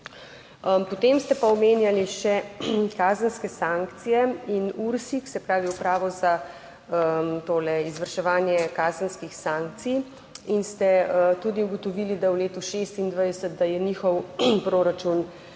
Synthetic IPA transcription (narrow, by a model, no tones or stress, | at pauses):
əpɔt̪eːmst̪ɛpaɔmeːnjaliʃɛkaːzənskɛsaŋkt̪sijɛinuɾsiksɛpɾaːʋiupɾaːʋɔza | əmt̪oːlɛizʋəɾʃɛʋaːnjɛkaːzənskixsaŋk̚t̪sij | inst̪ɛət̪ud̪iuɡɔt̪ɔʋilid̪awleːt̪uʃest̪ind̪ʋajd̪ɛsət̪̚d̪ajɛnixɔwpɾoɾat͡ʃun